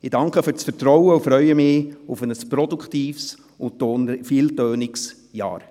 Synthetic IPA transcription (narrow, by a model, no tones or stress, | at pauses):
ɪd̥ɑŋkχəfʏɾt͡sfəɾtɾɔwəufɾœʏəmɪːufənəspɾɔdukχtiːfs | ʊtoːnfiːltøːnɪks | jɑ̰ːɾ